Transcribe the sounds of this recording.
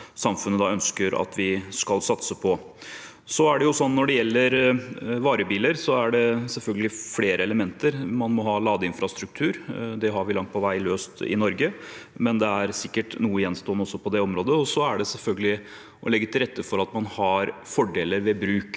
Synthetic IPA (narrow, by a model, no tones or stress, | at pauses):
sɑmfʉnːəd̪ɑœnskəɾɑ̰t̪ʰʋɪskɑlsɑt̪səpʰɔ | sɔæɖɛjʊsɔnːɔɖɛjɛlːəɾʋɑːɾəbiːləɾsɔæɖɛsɛlfœlɡəlɪfleːɾəɛləmɛnt̪əɾmɑnmɔɦɑːlɑːd̪əɪnfɾɑst̪ɾʉk̚t̪ʰʉːɾd̪ɛɦɑɾʋɪlɑŋt̪̚pʰɔʋæɪløːst̪ɪ̰nɔɾɡəmɛnd̪ɛæɾsɪkːəʈnuːəjɛnːst̪oːnəɔsːɔpʰɔd̪ɛɔmɾoːd̪əɔsɔæɖɛsɛlfœlɡəlɪ | ʔɔ̰lɛɡːət̪ʰɪlɾɛt̪ʰːəfɔɾɑt̪mɑnhɑɾfɔɖeːləɾʋɛbɾʉːk